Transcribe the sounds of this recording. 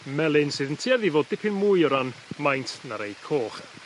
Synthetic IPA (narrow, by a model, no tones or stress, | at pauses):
mɛlˠɪnsɨːðəntʰiːaðivoːdɪpʰɨnmujɔɾanmajntʰnaɾejkʰoːχ